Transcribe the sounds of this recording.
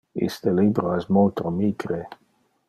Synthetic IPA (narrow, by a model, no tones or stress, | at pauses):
ḭst̪əlibɾoɛsmolt̪ɾomiɡɾe